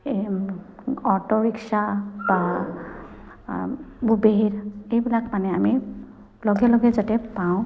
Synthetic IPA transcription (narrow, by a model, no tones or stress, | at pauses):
e | ɔʈɔbiksaba | bubeɾejbilakmanɛami | lɔɡɛlɔɡɛd͡ʒaʈɛpaw̃